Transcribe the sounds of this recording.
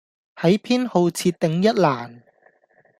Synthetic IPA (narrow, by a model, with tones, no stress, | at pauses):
hɐ˨˥jpʰiː˥nho˧wt͡sʰiː˧t̚t̪ɪ˨˧ŋjɐ˥t̚laː˨˩n